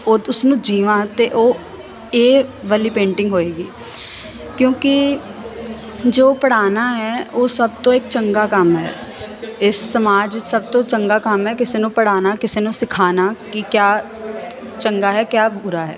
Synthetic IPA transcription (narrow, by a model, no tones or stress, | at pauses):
oːʊsnũːd͡ʒiːʋãːt̪eʔoː | eːʋəliːpẽːɳʈɪ̃ŋɡɦoːeːɡiː | kjõːkɪ | d͡ʒoːpəɽaːnaːɦɛːoːsəb̚t̪õːɪk̚t͡ʃəŋɡaːkəmɦɛ̰ː | ɪsːəmaːd͡ʒʋɪt͡ʃsəb̚t̪õːt͡ʃəŋɡaːkəmɦɛːkɪseːnũːpəɽ̤aːnaːkɪseːnũːsɪkʰaːnaːkɪkjaː | t͡ʃəŋɡaːɦɛːkjaːbuɾaːɦɛ̰ː